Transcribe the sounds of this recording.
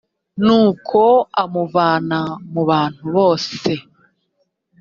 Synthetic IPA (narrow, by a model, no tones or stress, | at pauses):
nuːkʰo̞amuvaːnamuβaːn̥huβo̞ːse̞